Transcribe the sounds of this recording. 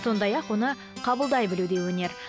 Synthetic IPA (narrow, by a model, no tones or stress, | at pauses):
so̞nd̪ɑjɑqwo̞nə | qʰɑbəlˠd̪ɑjbɪlud̪e̞wɵne̞ɾ